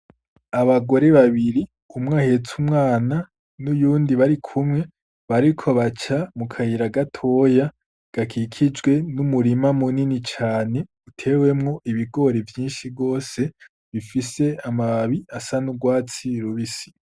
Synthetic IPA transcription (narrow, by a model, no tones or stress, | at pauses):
aβaɡo̞ɾe̞βaβiɾi | umŋahe̞t͡sumŋaːna | nujuːndiβaɾikʰumŋe̞ | βaɾikʰo̞βat͡ʃamukʰahiɾaɡatʰo̞ja | ɡ̥akʰikʰid͡ʒɡwe̞numuɾimamuninit͡ʃaːne̞ | utʰe̞we̞mŋo̞ʔiβiɡo̞ɾevjiːnʃibɡo̞ːse̞ | βifise̞amaβiasanuɡwaːt͡siɾuβisi̥